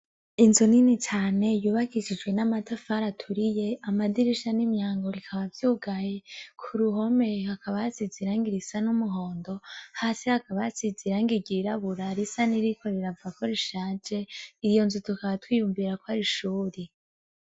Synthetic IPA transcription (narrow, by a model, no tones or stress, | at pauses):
inzoninit͡ʃaːne̞juːβakiʃid͡ʒɡwe̞namatafaɾatʰuɾije̞amadiɾiʃanimɲaːŋɡo̞ɾikʰaβavjuːɡajekʰuɾuɦo̞me̞hakʰaβaasiziɾaŋɡiɾisanumuɦo̞ːndo̞haːsihakaβaasiziɾaŋɡiɡiɾaβuɾaɾisaniɾikʰo̞ɾiɾavuako̞ɾiʃaːd͡ʒe̞iɾjo̞nzutukaβatwiːjumviɾakoaɾiʃuːɾi